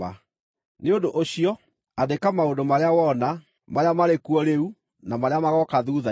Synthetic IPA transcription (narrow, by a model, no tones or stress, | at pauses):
a | neondoʔoɕiɔ | adekamaondomaɾeawɔna | maɾeamaɾekwɔɾeu | namaɾeamaɣɔkaðuða